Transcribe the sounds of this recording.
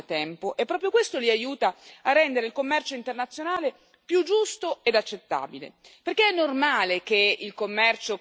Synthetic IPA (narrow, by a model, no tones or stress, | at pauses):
t̪ɛmpoʔɛpːɾɔpɾjokwest̪oliajuːt̪aarːɛnd̪eɾeilkomːɛrt͡ʃoint̪ernat̪sːjonaːle | pjud͡ʒːust̪oed̪at͡ʃːet̪ːa̰ːbilḛperkeɛnːormaːlekeilkomːɛrt͡ʃo